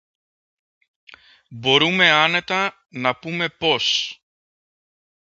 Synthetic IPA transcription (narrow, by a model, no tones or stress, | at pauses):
bo̞ɾume̞ɐne̞t̪ɐ | nɐpume̞po̞s